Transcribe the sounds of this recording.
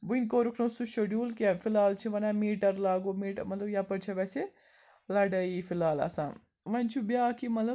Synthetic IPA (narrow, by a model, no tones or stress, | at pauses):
buinʲkoɾukʰnosuʃɐɖjuːlkefʰilaːlt͡ʃʰiʋɐnaːmiːʈɐɾlaːɡomiːʈəmɐt̪lɐbjaːpɐɾt͡ʃʰɐʋɛːse | lɐɖɐifʰilaːlɐ̰sãːn | ʋɐnʲt͡ʃʰubjaːkimɐt̪lɐ